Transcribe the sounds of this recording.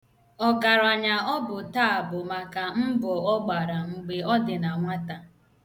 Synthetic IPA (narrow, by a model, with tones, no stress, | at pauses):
ɔ˨ɡa˨ɾa˨ɲa˨ɔ˦bʊ˨ta˦˨a˨bʊ˨ma˨ka˨m̩˦bɔ˨ɔ˦ɡ͡ba˨ɾa˨ŋ͡m̩˨ɡ͡be˨ɔ˦dɪ˨na˨ŋʷa˦ta˨